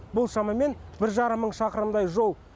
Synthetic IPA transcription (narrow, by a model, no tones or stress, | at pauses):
bʊlˠʃɑmɑme̞nbɪɾʒɑɾəmːəɴʃɑqəɾəmd̪ɑjʒo̞lˠ